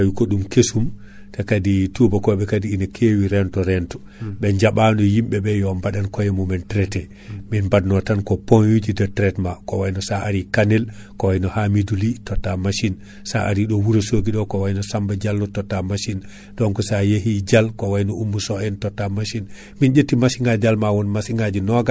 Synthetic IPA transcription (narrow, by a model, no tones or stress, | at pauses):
wikɔɗumkesum | takaditubakɔɓɛkadiinakʰewiɾɛntɔɾɛntɔ̥ | ɓɛɲd͡ʒaɓanɔjimɓɛbɛjɔmbaɗankɔjɛmumɛntɾɛtɛ | minbadnɔtankɔponjud͡ʒidɛtɾɛtmakɔwajnɔsaaɾikanɛl | kɔwajnɔhamidulitɔtːamaʃin | sa̰ʔaɾiɗɔwuɾosoɡiɗɔkɔwajnɔsambad͡ʒalːɔtɔtːamaʃin | ɗɔnkɔsajehid͡ʒalkɔwajnɔumːusɔɛntɔtːamaʃin | mind͡ʒetːimasiŋɡad͡ʒalmawɔnmasiŋɡad͡ʒinɔɡa